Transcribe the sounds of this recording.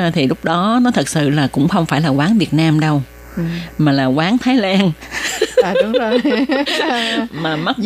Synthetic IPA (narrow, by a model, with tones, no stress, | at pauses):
t̪ʰi˨˩lʊ˦˥k͡p̚ɗɔ˨˦nɔ˨˦t̪ʰə˨˩t̚sɨ̰˧˨laː˨˩kʊ̰˧˥ŋ͡mxə˧wŋ͡mfaː˧˩jlaː˨˩kwaː˨˦nvi˨˩ət̚naː˧mɗə˧w | maː˨˩laː˨˩kwaː˨˦ŋt̪ʰaː˨˦jlaː˧nː˨ | ʊ˨˦o˨˩ | maː˨˩mə˦˥t̚